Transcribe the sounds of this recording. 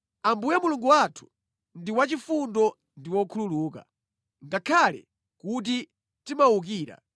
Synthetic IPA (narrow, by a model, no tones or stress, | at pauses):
ambujamuluŋɡuwatʰu̥ | ndiwat͡ʃifundɔ | ndiwɔkʰululuːka̰ | ŋɡakʰalɛ̰ | kut̬i | timauk̬iːɾa̰